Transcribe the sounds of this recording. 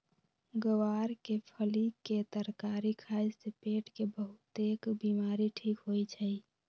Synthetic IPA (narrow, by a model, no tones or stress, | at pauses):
ɡəwaɾkepʰəliket̪əɾkaɾikʰad͡ʒsepeːʈkebəɦʊt̪ekbimaɾiʈʰiːkɦojt͡ʃʰəi